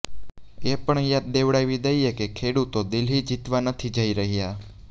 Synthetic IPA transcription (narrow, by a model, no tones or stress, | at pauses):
epəɳjat̪̚d̪eʋɽajʋid̪əjekekʰeɽut̪od̪ilɦid͡ʒit̪ʋanət̪ʰid͡ʒəiɾəɦija